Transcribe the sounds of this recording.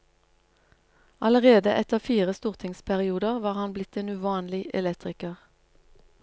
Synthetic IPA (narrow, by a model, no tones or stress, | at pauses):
ɑləʁeːd̪əʔɛt̪əʁfiːʁəst̪uːʁt̪ʰɪŋspʰæʁɪuːd̪əʁʋɑːʁhɑnblɪt̪eːnʉːʋɑːnlɪʔɛ̰lɛkt̪ʁɪkəʁ